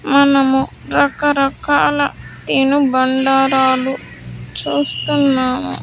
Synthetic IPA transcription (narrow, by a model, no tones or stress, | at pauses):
mɐnɐmu | ɾɐkɐɾɐkaːlɐt̪inubɐɳɖaːɾaːlu | t͡ʃuːst̪unːaːmṵ